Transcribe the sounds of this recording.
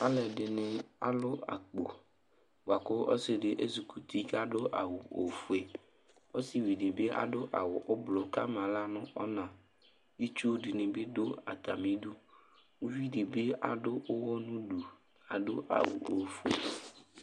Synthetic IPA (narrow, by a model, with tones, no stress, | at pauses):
a˦lɛ˨ɖɪ˨nɪ̃˨a̰˨lʊ˦a̰˨k͡po˨ | wa˨kʊ˦ɔ̰˦sɪ˨ɖɪ˨ʔe˦zu˨ku˨t̪i˦ka˦ɖʊ˦ʔa̰˨wʊ˨o̰˨fu˨e˨ | o˦sɪ˨wi˨dɪ˨be˦ʔa̰˨ɖʊ˦ʔa̰˨wʊ˨ʔʊ˦blʊ˨ka˦m˨ã˨la˦nʊ̃˦ɔ˦nã˨ | ji˦t͡ʃu˦dɪ˨nɪ̃˨be˦dʊ˦a̰˨t̪a˨mĩ˦dʊ˦ŋũ˦vi˦ɖɪ˨be˦a̰˨ɖʊ˦ʊ˦wɔ˦nũ˦ɖu˨ | a˨ɖʊ˦ʔa̰˨wṵ˨o˨fu˦ḛ˨